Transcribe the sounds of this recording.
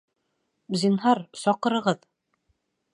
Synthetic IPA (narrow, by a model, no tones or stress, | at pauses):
zʲinɦɑɾsɒqɤ̆ɾɤ̆ʁɤð